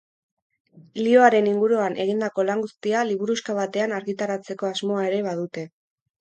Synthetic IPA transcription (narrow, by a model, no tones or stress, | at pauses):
lio̞aɾe̞niŋɡuɾuanʔe̞ɣind̪ako̞laŋɡust̪ialiβuɾuskaβat̪e̞anaɾɣit̪aɾat͡se̞ko̞azmo̞ae̞ɾe̞βaðut̪e̞